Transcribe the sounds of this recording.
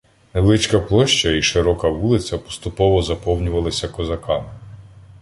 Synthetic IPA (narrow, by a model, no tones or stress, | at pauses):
nelˠɪt͡ʃkɐplˠɔʃt͡ʃɐiʃɪɾɔkɐʋulˠɪt͡s̪ʲɐpɔ̥st̪ʊpɔʋɔzɐpɔwnʲʊʋɐlˠɐsʲɐkɔzɐkɑmɪ